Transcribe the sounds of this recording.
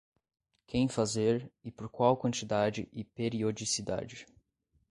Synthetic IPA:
kʰẽj̃fazeɾɪpoɾkwawkwɐ̃nt͡ʃid̪ad͡ʒɪ̰ʔɪpeɾiod͡ʒisid̪a̰d͡ʒɪ

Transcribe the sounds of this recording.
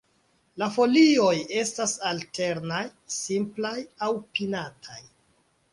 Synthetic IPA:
lafo̞lio̞je̞stasalte̞ɾnajsimplajawpinatʰaj

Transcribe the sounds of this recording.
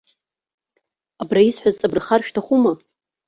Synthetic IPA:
abraisħʷᶣazt͡sʼabrχarʃᶣtʰaχʷuma

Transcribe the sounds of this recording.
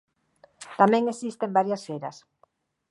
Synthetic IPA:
t̪amẽŋesist̪embaɾjasfeɾɐ̰s

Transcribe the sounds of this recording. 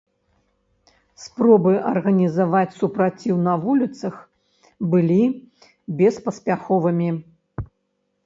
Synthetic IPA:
spɾɔbɨʔɐrɣɐnʲizavat͡sʲsupɾat͡sʲiwnɐvulʲit̪sɐx | bɨlʲi | bʲɛspɐsʲpʲaxɔvɨmʲi

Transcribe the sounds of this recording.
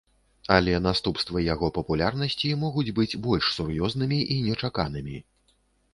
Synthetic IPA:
ɐlʲɛnast̪upst̪vɐjaɣɔpɐpulʲarnɐsʲt͡sʲimɔɣud͡zʲbɨd͡zʲbɔlʲʂsurjɔznɨmʲiʔinʲɛt͡ʂakanɨmʲi

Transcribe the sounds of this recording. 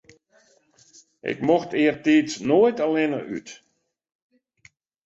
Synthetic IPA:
ʔɪ̰kmoxtʰɪərtiːtnoətəlɪnə̰y̰t

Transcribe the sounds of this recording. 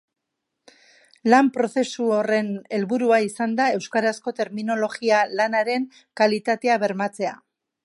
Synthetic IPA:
lampɾo̞θe̞suore̞ne̞lβuɾuaisand̪ae̞wskaɾasko̞t̪e̞ɾmino̞lo̞ɣialanaɾe̞ŋ | kalit̪at̪e̞aβe̞ɾmat͡se̞a

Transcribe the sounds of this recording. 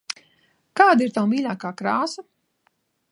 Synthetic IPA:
kaːd̪iːɾt̪ɐwmiːlɐːkaːkɾaːsɐ

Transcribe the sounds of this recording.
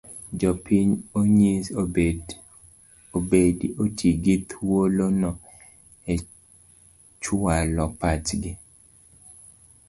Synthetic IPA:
d͡ʒɔpiɲoɲised | obediʔotʰiɡit̪wolonɔ | e | t͡ʃʊwalɔpatɡɪ

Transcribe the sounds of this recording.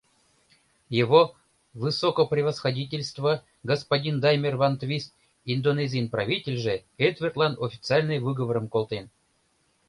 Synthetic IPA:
jevo | vɨsokoprʲɪvəsxɐdʲitʲelʲst̪və | ɡospadʲind̪ajmʲervant̪vʲist̪ | ind̪onezʲijnpravʲitʲelʲʐeed̪vʲert̪lˠɑnofʲi̥t͡sɨɑlʲnɨjvɨɡəvəɾəmkolˠt̪en

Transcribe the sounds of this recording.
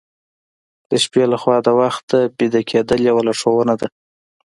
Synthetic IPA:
d̪̥əʃpelaxwɑd̪əwaxt̪̚d̪əbid̪akʲʰed̪əljawalaʂowənad̪a

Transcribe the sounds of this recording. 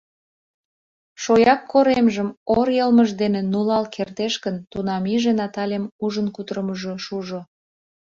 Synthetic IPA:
ʃojɑkːoɾemʒəmoɾjəlməʒd̪enenulɑlkʰert̪eʃkənt̪unɑmiʒenɑt̪ɑlʲemuʒənkut̪ɾəməʒoʃuʒo

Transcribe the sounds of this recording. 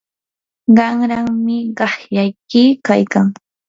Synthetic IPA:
ɢɑŋɾaŋmɪɢɑχjajkɪkajkaŋ

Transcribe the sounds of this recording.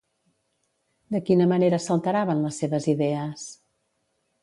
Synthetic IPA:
d̪əkinəməneɾəsəlˠt̪əɾaβənləsːeβəziðɛəs

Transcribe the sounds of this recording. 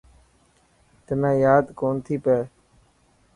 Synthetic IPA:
t̪ənãːjaːd̪koːnt̪ʰiːpeː

